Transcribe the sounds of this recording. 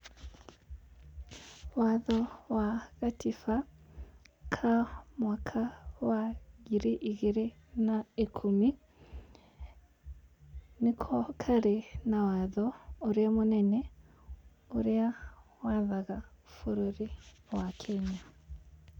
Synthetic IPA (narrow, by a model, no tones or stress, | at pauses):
waðɔwaɣatifa | kʰamwakʰawaɣiɾeʔiɣeɾenaekʰumi | nekʰɔkʰaɾenawaðɔoɾeamonɛnɛ | oɾeawaðaɣafoɾoɾe | wakʰɛɲa